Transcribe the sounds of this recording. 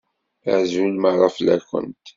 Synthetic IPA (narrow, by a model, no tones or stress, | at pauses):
ə̰ʕzulməʕɾˤɑflæ̰kːə̰nt̪